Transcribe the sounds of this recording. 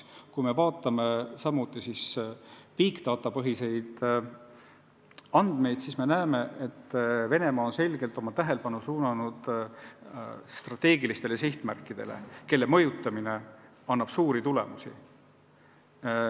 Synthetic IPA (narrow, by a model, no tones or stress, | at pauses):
kujme̞vɑːt̪ːˑɑme̞sɑmːut̪ˑːisispiːkt̪ɑːt̪ːˑɑpɤɦise̞jd̪̥ | ɑnd̪̥me̞jd̪sisme̞næːme̞et̪ːve̞ne̞mɑːonse̞lʲɡ̥e̞lt̪ˑo̞mɑt̪æɦe̞lepɑnusuːnɑnud̪̥ | st̪rɑt̪ːe̞ːɡilist̪elesiht̪mæ̰rkːˑid̪̥e̞̰lḛke̞lːemɤ̞jut̪ːˑɑmine̞ | ɑnːɑb̥suːɾit̪ule̞̰musḭ